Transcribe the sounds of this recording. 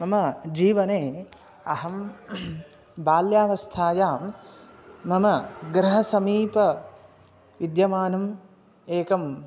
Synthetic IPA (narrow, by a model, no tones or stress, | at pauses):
mɐmɐd͡ʒiːʋɐneː | ɐɦɐm | baːljaːʋɐst̪ʰaːjaːmː | ɐmɐɡɾɐɦɐsɐmiːpɐ | ʋid̪jɐmaːnɐm | eːkɐm